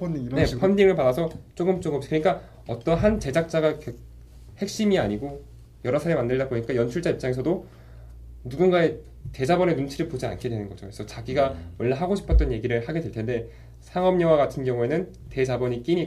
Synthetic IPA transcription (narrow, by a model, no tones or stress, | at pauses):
ne̞pʰʌndiŋɯɭpadasʰʌt͡ɕ͈oɡɯmt͡ɕ͈oɡɯkɯɲik͈a | ʌt͈ʌnɦant͡ɕe̞d͡ʑak̚t͡ɕ͈aɡakʌ | he̞k̚ɕ͈imiaɲiɡo | jʌɾʌsʰaɾemandɯɭdap͈oɲik͈ajʌnt͡ɕʰuɭt͡ɕ͈aip̚t͡ɕ͈aŋe̞sʰʌdo | nuɡunɡae | te̞d͡ʑabʌne̞nunt͡ɕʰiɾɯɭpod͡ʑia̰nkʰe̞dwe̞nɯnɡʌd͡ʑo̰esʰʌt͡ɕaɡiɡawʌɭːaɦaɡoɕʰi̥pʰʌt͈̚ʌnje̞ɡiɾɯɭhaɡe̞dwe̞ɭtʰe̞nde̞ | sʰaŋʌmɲʌwaɡatʰɯnɡjʌŋue̞nɯn | te̞d͡ʑabʌɲik͈iɲi